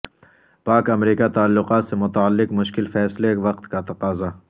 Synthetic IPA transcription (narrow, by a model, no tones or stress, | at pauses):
paːkɐmɾiːkat̪aːlːʊqaːt̪semʊt̪aəlːɪqmʊʃkɪlfɛːslekʋɐqt̪kat̪ɐqaːza